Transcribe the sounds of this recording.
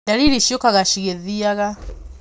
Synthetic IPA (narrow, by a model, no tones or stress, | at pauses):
daɾiɾiʃjokaɣaʃiɣeðiaɣa